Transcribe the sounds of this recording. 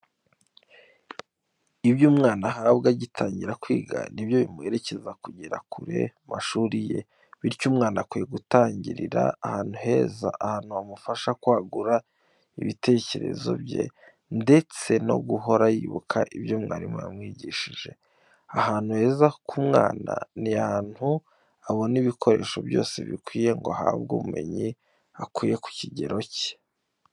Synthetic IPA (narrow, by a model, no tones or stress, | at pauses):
ibjuːmŋaːnaɦabɡaɟitʰaːɲɟiɾakwiːɡa̰nibjo̞βimueɾe̞ce̞zakuɟiɾakuɾe̞̰maʃuːɾije̞̰ | βiɾcuːmŋaːnakwijeɡutaːɲɟiɾiɾa̰ahaːn̥huɦe̞ːza̰ʔahaːn̥huamufaʃakwaːɡuɾa | ḭβite̞ce̞ɾe̞̰zo̞̰bɟe̞̰ | nde̞t͡se̞no̞̰ɡuɦo̞ɾajiːβṵkʰaʔiβjo̞mŋaːɾima̰mŋiːɟiʃiʒe̞ | ahaːn̥huhe̞ːzakumŋa̰ːna̰niahaːn̥hu | aβo̞niβikʰo̞ɾe̞ːʃo̞bjo̞̰ːse̞̰βḭkwiːje̞ŋɡoɦa̰ːβɡṵːβume̞̰ɲi | akwiːje̞ku̥ciɟe̞ɾo̞ce̥